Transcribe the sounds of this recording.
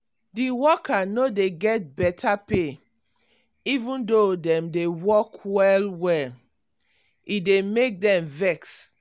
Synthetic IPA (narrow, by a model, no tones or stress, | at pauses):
diwɔkanodeɡɛt̚bɛtʰape | ivũndodɛ̃mdewɔkwɛlwɛl | idemek̚dɛ̃mvɛks